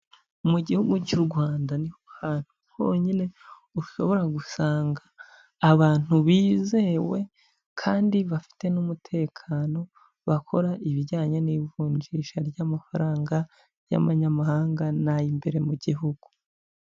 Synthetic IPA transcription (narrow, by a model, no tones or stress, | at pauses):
muɟihuɡucuɾɡwaːndanihohaːn̥hu̥ | ho̞ɲine̞ | uʃo̞̰βo̞ɾaɡusaːŋɡaː | βaːn̥huβiːze̞we̞ | kʰaːndiβafi̥te̞numutʰe̞ːkʰano̞ | βakʰo̞ɾaʔiβiɾɟaːɲeniːvuːɲd͡ʒiʃaɾjamafaɾaːŋɡa | ja̰βaɲamahaːŋɡanajimbe̞ɾe̞muɟiɦuɡ̥u